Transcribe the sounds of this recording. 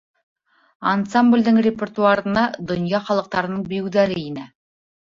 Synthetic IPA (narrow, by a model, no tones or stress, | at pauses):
a̰nsamblʲd̪əɴrʲepʲert̪uarənɑd̪ŏnjɑχɑlˠə̆q̚t̪ɑɾɤ̆nɤɴbɵjɘwd̪æɾɘinæ